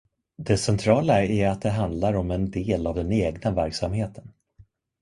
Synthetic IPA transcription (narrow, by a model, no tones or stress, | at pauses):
d̪ɛsɛnt̪ʰɾɑːlaæɾat̪̚d̪ɛɦand̪laɾɔmɛnd̪eːlavd̪ɛneːɡnavæɾksamheːt̪ʰə̥n